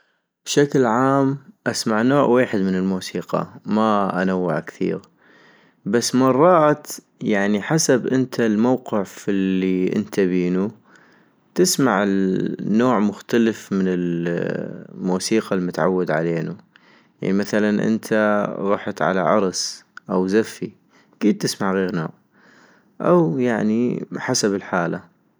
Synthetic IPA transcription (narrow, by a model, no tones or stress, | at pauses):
b̥ʃaklʕaːmʔasmaʕnoːʕweːħɪd̪mɪnɪlmuːsiːqɑ̰maʔanawːaʕkθḭːɣ | basːmɑrˤːɑːt̪ | jaʕniħasabʔɪnt̪ʰalmawqɪʕfɪlːiʔɪ̰nt̪ʰabiːnu | t̪ɪsmaʕɪnːoːʕmʊxt̪aləfmɪnɪl | muːsiːqɑlmʊt̪ʕa̰wːad̪ʕa̰leːnu | ja̰ʕnimaθalanʔɪ̰nt̪ʰaɾˤɑːħt̪ʕa̰la̰ʕɑɾˤsʔawzafːi | kiːd̪̚t̪ɪsmaʕɣeːɾno̰ːʕ | ʔawjaʕniħasabɪlħaːla